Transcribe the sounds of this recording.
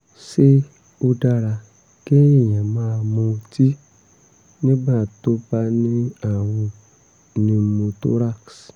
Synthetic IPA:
se˦ | o˧da˧ɾa˧ | ke˦i˨jã˨mãː˦˨mõ˧˨ti˦ | nĩ˦bã˦˨to˦pa˧nĩ˦a˨wu˧ | nĩ˧mõ˧to˦ɾa˦ks

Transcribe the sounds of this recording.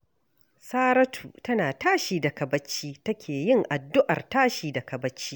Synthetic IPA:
saː˦ɾɐ˦tʰṵː˨tɐ˦naː˨taː˦ʃiː˨da˨kɐ˨bɐ˦t͡ʃːiː˦tɐ˦kʲʰeː˨jɪ˦˨ŋʔa˨dːʊ˦ʔɐ̰˨rtaː˦ʃiː˨dɐ˨kɐ˨bɐ˦t͡ʃːiː˦

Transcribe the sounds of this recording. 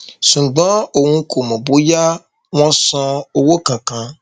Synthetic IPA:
sũ˨ɡ͡bɔ̃˦o˨ŋũ˦kʰo˨mɔ̃˨bo˦ja˦ | w̃ɔ̃˦sɔ̃˦o˨wo˦kã˨kã˦

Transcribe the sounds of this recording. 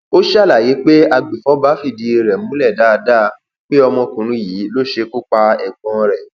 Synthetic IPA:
o˦ʃɛ˦˨la˨je˨˦k͡pe˦a˧ɡ͡be˨fɔ˨˦ba˦fi˦˨di˨˧e˧ɾɛ˨ũ˦lɛ˦˨da˦˧da˦ | k͡pe˦ɔ˧mɔ̃˧kũ˨ɾ̃ũ˨˦jiː˨˦lo˦˨ʃe˧ku˦k͡pa˧ɛ˨ɡ͡bɔ̃˨˧ɾɛ˨

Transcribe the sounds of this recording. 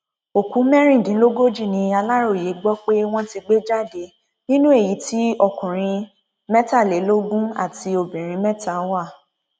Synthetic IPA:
o˨ku˨˦mɛ̃˦ɾ̃ĩ˦˨dĩ˨˦lo˦ɡo˦d͡ʒi˦˨nĩ˧a˧la˦ɾo˦˨je˨˦ɡ͡bɔ˦k͡pe˦w̃ɔ̃˦ti˧ɡ͡be˦d͡ʒa˦˨de˨˦ | nĩ˦nũ˦e˦˨ji˨˦ti˦ɔ˧˨kũ˨ɾ̃ĩ˧ | mɛ˦ta˦˨le˨˦lo˦ɡũ˦a̰˦˨ti˧o˧bĩ˨ɾ̃ĩ˧mɛ˦ta˦˨wa˦˨

